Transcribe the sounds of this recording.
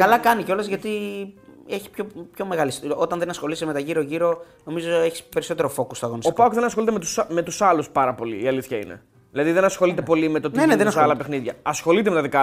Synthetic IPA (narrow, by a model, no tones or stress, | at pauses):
kɐlɐkɐniceolezʝɐt̪i | e̞çi̥pçopço̞meɣɐliso̞t̪ɐnðenɐsxo̞lisime̞t̪ɐʝiɾoʝiɾo̞no̞mizoe̞çispe̞ɾiso̞t̪e̞ɾofo̞kost̪oɐɣo̞nisopkpɐokðenɐsxo̞lit̪emet̪usme̞t̪usɐluspɐɾɐpo̞lḭːɐliθçɐḭne̞̰ | ðilɐðiðe̞nɐsxo̞lit̪e̞po̞limet̪o̞t̪eneðesɐlɐpexniðʝɐɐsxo̞lit̪eme̞t̪ɐðikɐ